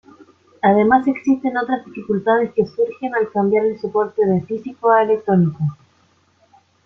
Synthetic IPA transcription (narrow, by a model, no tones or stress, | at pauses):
að̞e̞mase̞ksist̪e̞no̞t̪ɾazðifikult̪að̞e̞ske̞suɾxe̞nalkambjaɾelsopo̞ɾt̪e̞ðefisikoelek̚t̪ɾo̞niko